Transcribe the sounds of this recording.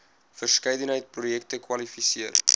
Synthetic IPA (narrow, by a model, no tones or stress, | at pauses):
fərskɛjdənɦəjt̚projɛk̚təkwɐlifisiər